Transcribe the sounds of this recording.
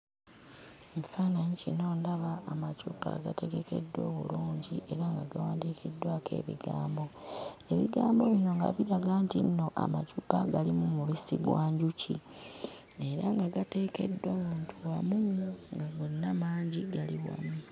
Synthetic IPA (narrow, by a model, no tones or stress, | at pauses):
mufaːnaɲicino̞ːndaβaːmacupa̰ɡate̞ɡe̞ke̞̰dːo̞̰ːβṵluːɲɟiʔe̞ɾaŋɡaɡawaːndiːkʰidːwaːke̞̰ːβḭɡaːmbo̞e̞βiɡaːmbo̞βino̞ŋɡa̰βiɾaɡaːntinːo̞ʔa̰macupaɡalimumuβisiɡwaːɲɟuci | e̞ɾaŋɡaɡate̞ːke̞dːo̞ːmuːntʰuwamuŋɡaɡonːamaːɲɟiɡaliwa̰mu